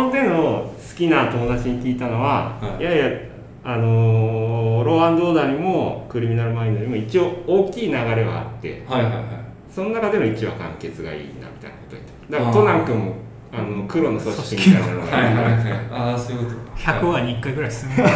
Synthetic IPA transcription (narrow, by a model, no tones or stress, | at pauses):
ond̪e̞no̞sɨ̥kʲinat̪o̞mo̞d̪at͡ɕiɲ̟ikʲiːt̪ano̞βajaja | ano̞ | ɾo̞ːãnd̪oːd̪aɲ̟imo̞kɯ̟ɾʲimʲinaɾɯ̟maĩnːoɲ̟ʲimo̞it͡ɕio̞oːkʲiːnaɡaɾe̞βa̰a̰t̪ːe̞̰haa | so̞no̞nakad̪e̞mo̞it͡ɕiβa̰kã̰ŋke̞t͡sɨɡa̰ḭːna̰mʲit̪a̰inako̞t̪o̰ɲʲi̥t̪ad̪akt̪o̞nãŋkɯ̟̃mːo | anokɯ̟ɾo̞nosoɕḁɕĩŋkaɾanaɾoaahaaasoɯkot̪oçakɯ̟βaɲikːaiɡɯ̟ɾaiesne